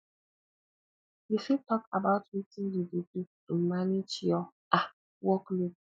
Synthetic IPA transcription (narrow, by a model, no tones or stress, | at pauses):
difitɔkabaʊtwitĩndidudutomaned͡ʒjɔ | a | wɔklob̚